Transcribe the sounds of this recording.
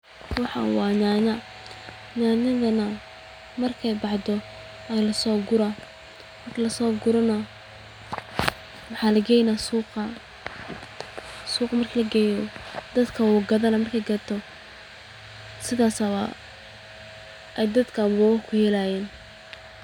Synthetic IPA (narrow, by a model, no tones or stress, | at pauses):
wɑħɑ̰wɑːnaːnɐ | naːnɐðɐnɐ | mɐrkʰɛjbɑħd̪ɔ | ɛjlɐsɔːɡʊɾɐ | mɐrkʰɐlɐsɔːɡʊɾɔnɐ | wɑħɑːlɐɡɛːjnasuːqɐ | suːqɑmɐrkʰɐlɐɡɛːjnɔd̪ɐd̪kʰɐwuːɡɐðɐnɐmɐrkʰɛjɡɐt̪ʰɔ | sɪðaːsɐβɐ | ʔɛjd̪ɐd̪kʰɐbɔːwkʰʊhɛlajɛːn